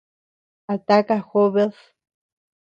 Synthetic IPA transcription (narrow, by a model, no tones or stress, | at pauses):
at̪akaxoβeθ